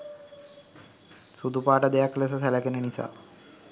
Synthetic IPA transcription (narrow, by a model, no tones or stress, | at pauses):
sud̪ʱupaːʈɐd̪ejakles̬ɐsɛlɐkenenisa̰